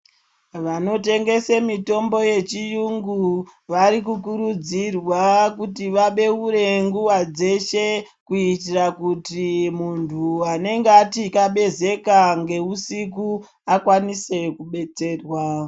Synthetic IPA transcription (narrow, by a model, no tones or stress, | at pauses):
ʋano̞te̞ŋɡe̞semito̞mbo̞je̞t͡ʃijuŋɡuʋaɾikukuɾud͡zirwakutiʋaɓe̞uɾe̞ŋɡuwad͡ze̞ʃe̞ | kuitirakutimuntʰuane̞ŋɡeatikaɓe̞ze̞kaŋɡe̞usik̬u | akwanise̞kuɓe̞t͡se̞ːrwa